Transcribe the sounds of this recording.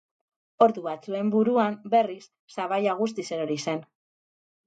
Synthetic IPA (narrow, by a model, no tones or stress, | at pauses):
o̞ɾðuβat͡sue̞mbuɾuambe̞risːaβajaɣ̞ust̪ise̞ɾoɾise̞n